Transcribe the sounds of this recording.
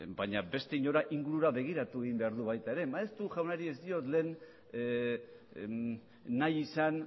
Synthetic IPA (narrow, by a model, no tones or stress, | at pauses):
baɲabe̞st̪e̞iɲo̞ɾaʔiŋɡuɾuɾaβe̞ɣ̞iɾat̪ue̞ɣimbe̞aɾðuβajt̪aeɾe̞maest̪uʝawnaɾie̞zd̪io̞t̪le̞ːn | ajisan